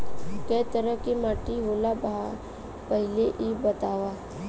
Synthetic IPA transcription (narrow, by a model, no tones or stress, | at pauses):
kɛːt̪əɾəkimaːʈiɦoːlabaa | pəɦɪleʔibət̪aːʋaː